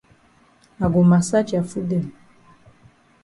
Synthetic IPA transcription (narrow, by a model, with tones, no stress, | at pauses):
a˨ɡo˨ma˨sa˦t͡ʃi˨a˨fu˦dɛ˨l